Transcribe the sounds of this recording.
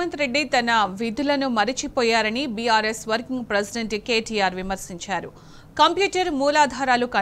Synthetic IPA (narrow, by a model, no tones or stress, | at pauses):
ɐnt̪ɾe̞ɖːit̪ɐnɐʋid̪ulɐnumɐɾit͡ʃipɔːjaːɾɐnibiaːɾeːsʋɐɾkiŋɡpɾesiɖeɳʈke̞ːʈijaːɾʋimɐɾsiɲt͡ʃaːɾu | kɐmpjuːʈɐɾmuːlaːd̪ʱaːɾaːlukɐ